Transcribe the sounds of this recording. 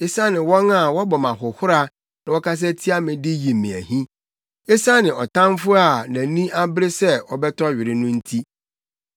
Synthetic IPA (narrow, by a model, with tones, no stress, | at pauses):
e˦sa˦nɪ̃˨wɔ̃˦na˨wɔ˦bɔ˨mã˨ɦʊ˨hʊ˦ɾa˦ | nã˨wɔ˦kʰa˦s̬ɛ˦tʰi˦a˦mɪ̃˨dɪ˦ji˨mɪ̃˨æ̰˨hĩ˦ | e˦sa˦nɪ̃˨ɔ˨tʰã˦m˦fʊ˦a˨næ̃˨˦nĩ˦a˦bɾe˦sɛ˦ɔ˨bɛ˦tʰɔ˦ɥɪ˨ɾɪ˦nʊ̃˦n̩˦tʰi˦